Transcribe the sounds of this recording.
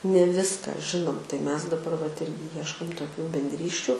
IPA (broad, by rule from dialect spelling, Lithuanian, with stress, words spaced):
nʲɛ ˈʋʲɪskɐ ˈʒʲɪnoːm tɐɪ ˈmʲɛs dɐˈbɐr ʋɐt ˈɪrʲɡʲɪ ˈjiɛʃkoːm toːˈkʲuː bʲɛnʲdʲˈrʲiːsʲt͡ʃʲuː